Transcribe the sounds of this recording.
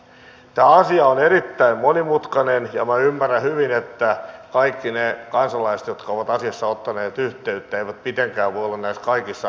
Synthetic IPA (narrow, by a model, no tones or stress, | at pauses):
t̪æːɑsiɑonerit̪ːæimmonimut̪kɑnenjɑmæymːæræhyʋinet̪ːækɑikːinekɑnsɑlɑise̥t̪jot̪kɑoʋɑt̪ɑsiɑsːɑot̪ːɑneːt̪yht̪eyt̪ːæeiʋæt̪̚pit̪eŋkæːʋʋojolːɑnnæiskɑikisːɑ